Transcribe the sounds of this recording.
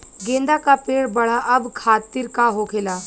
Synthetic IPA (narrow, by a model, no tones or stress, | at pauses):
ɡẽːnd̪akapeːɽbɐɭ̤aʔɐbkʰaːt̪ːiɾkaɦokʰela